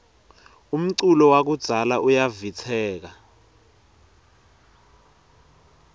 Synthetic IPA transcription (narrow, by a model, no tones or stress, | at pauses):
um̩ǀulɔwak̬ud̥z̥ʱalaʔujavit͡sʰɛːk̬a